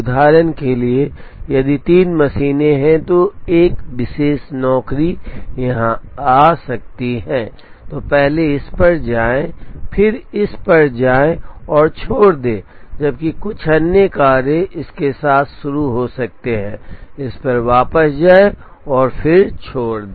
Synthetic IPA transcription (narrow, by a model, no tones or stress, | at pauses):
ʊd̪ʱaːɾənkeliejɐd̪it̪iːnmɐsiːneɦɛ̃t̪oeːkʋɪʃeːʃnɔːkɾijɐɦãaːsɐk̚t̪iɦɛ̃ː | t̪oːpɛɦleɪspɐɾd͡ʒaːẽpʰɪɾɪspɐɾd͡ʒaːẽɔːɾt͡ʃʰoːɽd̪ẽːd͡ʒɐb̚kikʊt͡ʃʰɐnːjekaːɾẽʔɪskesaːt̪ʰʃʊɾuɦosɐk̚t̪eɦɛ̰̃ːɪspɐɾʋaːpəsd͡ʒaːe | ɔːɾpʰɪɾt͡ʃʰoːɽd̪eː